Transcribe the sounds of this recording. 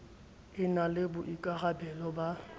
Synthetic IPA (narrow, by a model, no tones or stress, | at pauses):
ɪnalɪbʊʔikʼaɣabɛlɔba